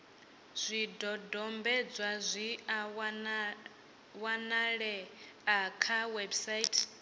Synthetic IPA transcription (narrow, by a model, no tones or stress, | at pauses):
z̥ʷidɔdɔmbɛd͡zwazʷi | wanaɺɛakʰawɛbsajtʰʼ